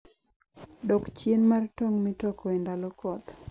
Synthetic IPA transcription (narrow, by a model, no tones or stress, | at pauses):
dɔkt͡ʃjenmartoŋmɪtɔkɔendalɔkɔt̪